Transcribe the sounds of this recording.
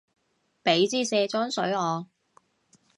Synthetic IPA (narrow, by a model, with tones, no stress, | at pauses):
pe˨˥jt͡siː˥sɛː˧t͡sɔː˥nsɵ˨˥ɥɔː˨˧